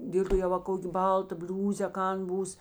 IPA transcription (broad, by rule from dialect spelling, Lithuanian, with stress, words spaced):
ˈdʲeːlʲ toː jɛʊ ʋɐ ˈkoːkʲ ˈbɐlˠˌtɐ ˈbʲlʲuːzʲeː ɐ ˈkɐn ˈbuːs